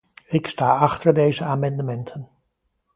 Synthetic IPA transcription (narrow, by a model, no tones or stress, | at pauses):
ɪkstaːɑχtəɹdejzəaːmɑndəmɛntʰən